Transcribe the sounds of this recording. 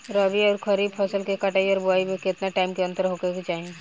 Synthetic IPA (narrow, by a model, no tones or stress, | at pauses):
ɾəbiɔːɾkʰəɾiːbpʰɐsəlkekɐʈaːiɔːɾbʊaːimẽkɪt̪naʈaːɪmkeɐ̃nt̪əɾɦokekt͡ʃaːɦie